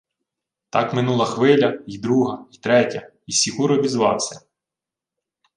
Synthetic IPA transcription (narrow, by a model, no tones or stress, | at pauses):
t̪ɑkmɪnulˠɐxʋɪlʲɐid̪ɾuɦɐit̪ɾɛtʲɐ | isʲikuɾɔbʲizʋɑwsʲɐ